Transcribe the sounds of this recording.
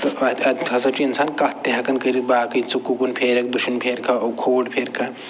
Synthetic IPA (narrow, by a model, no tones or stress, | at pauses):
t̪ɐɐɐɦɐsɐt͡ʃiinsaːnkɐt̪eɦɐkɐnkɐɾit̪̚baːkɐsukːukunpʰeːɾɐk̚d̪uʃinpʰeːɾkʰaokʰoːɖpʰeːɾkʰɐ